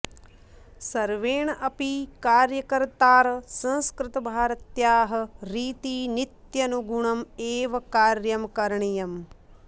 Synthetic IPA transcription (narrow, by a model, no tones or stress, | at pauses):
sɐɾʋeːɳɐʔɐpikaːɾjɐkɐɾt̪aːɾɐsɐ̃nskɾɪt̪ɐbʱaːɾɐt̪jaːɦɐ̆ɾiːt̪iːnit̪jɐnuɡuɳɐmeːʋɐkaːɾjɐmkɐɾɳijɐm